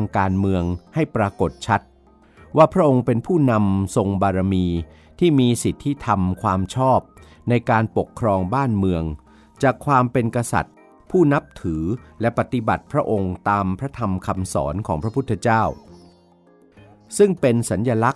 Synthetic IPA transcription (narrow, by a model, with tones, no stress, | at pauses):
a˧ŋkaː˧nmɯ˧əŋha˥˩jpɾaː˧ko˨˩t̪̚t͡ɕʰa˦˥t̪̚ | waː˥˩pʰɾa˦˥ʔo˧ŋpe˧npʰuː˥˩na˧mso˧ŋbaː˧ɾa˧miː˧ | t̪ʰiː˥˩miː˧si˨˩t̪ʰːi˦˥t̪ʰa˧mkʰwaː˧mt͡ɕʰɔː˥˩p̚ | na˧jkaː˧npo˨˩kʰːɾɔː˧ŋbaː˥˩nmɯ˧əŋ | t͡ɕaː˨˩kʰwaː˧mpe˧nka˧sa̰˨˩t̪̚ | pʰuː˥˩na˦˥p̚t̪ʰɯː˩˦lɛ˦˥pa˨˩t̪i˧˦ba̰˨˩t̪̚pʰɾa˦˥ʔo˧ŋt̪aː˧mpʰɾa˦˥t̪ʰa˧mkʰa˧msɔ̰ː˩˦nkʰɔː˩˦ŋpʰɾa˦˥pʰu˦˥t̪ʰːa˧t͡ɕaː˥˩w | sɯ˥˩ŋpe˧nsa˩˦njaː˧la˦˥k̚